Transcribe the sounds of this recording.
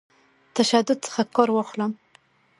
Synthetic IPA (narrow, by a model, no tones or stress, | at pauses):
t̪aʃad̪ʊd̪̚t͡sə̥xakɑɾwɑxləm